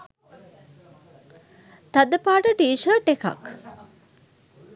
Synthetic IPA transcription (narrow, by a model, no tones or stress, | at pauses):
t̪ad̪əpaːʈəʈiːʃəːʈeka̰k